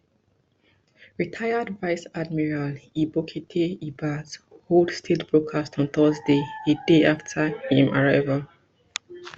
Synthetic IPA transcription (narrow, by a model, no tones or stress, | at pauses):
ɹitʰaɪədvaɪsadmiɹalibokʰetʰeibazholdstʰitbɹokʰastɔ̃nθəzdeedeaftʰahĩmaɹaɪval